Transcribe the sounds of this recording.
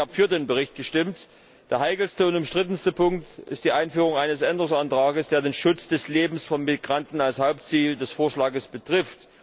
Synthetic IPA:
aːbəfyːɐdeːnbəʁ̞ɪçt̚ɡ̥əʃtɪmt | d̥eːɐɦaɪkl̩stəʊntʊmʃtʁ̥ɪtən̩stəpʰʊŋktʔɪ̰st̚d̥iːʔaɪnfyːʁ̞ʊŋʔaɪnəsʔɛndəʁʊŋsantʁ̥aːɡəsd̥eːɐdeːnʃʊt͡sd̥ɛsleːbm̩sfɔnmɪɡ̥ʁantn̩alshaʊpt͡siːldɛsfoːɐʃlaːɡəsb̥ətʁ̥ɪft

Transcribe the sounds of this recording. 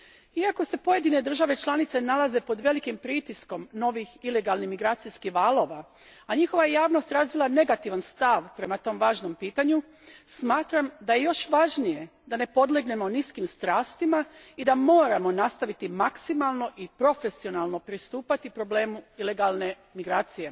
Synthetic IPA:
iako̞se̞po̞je̞d̪ine̞d̪r̩ʒaʋe̞t͡ʃlˠanit̪se̞nalaze̞po̞d̪ʋe̞likimpɾiːt̪isko̞mno̞ʋixile̞ɡalˠnihmiɡɾaːt̪sijskihʋaːlˠo̞ʋa | aɲixo̞ʋajejaːʋno̞st̪ɾazʋilˠane̞ɡat̪iʋanst̪aʋpɾe̞mat̪o̞ːmʋaːʒno̞mpiːt̪aɲu | smaːt̪ɾamd̪ajejo̞ʃʋaʒnije̞d̪ane̞po̞d̪leɡne̞mo̞niskimst̪ɾaːst̪imaid̪amo̞ːɾamo̞nast̪aʋit̪imaksimalˠno̞ʔipɾo̞fe̞sio̞nalˠno̞pɾist̪uːpat̪ipɾo̞ble̞ːmuile̞ɡalˠne̞ | miɡɾaːt̪sije̞

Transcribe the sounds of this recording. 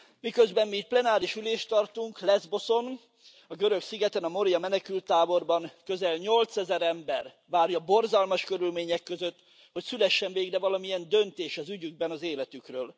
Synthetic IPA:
mikøzbɛmmiːt̪̚plɛnaːɾiʃyleːʃt̪ɒrt̪uŋklɛzbo̞so̞n | ɒɡø̞ɾø̞ksiɡɛt̪ɛnɒmo̞ɾijɒmɛnɛkylt̪ːaːbo̞rbɒŋkø̞zɛlɲo̞lt̪sɛzɛɾɛmbɛr | ʋaːrjɒbo̞rzɒlmɒʃkøɾylmeːɲɛkːøzøt̪ː | ho̞csylɛʃːɛɱveːɡdɛvɒlɒmijɛnd̪ø̞nt̪eːʃɒzyɟyɡ̚bɛnɒzeːlɛt̪ykrøːl

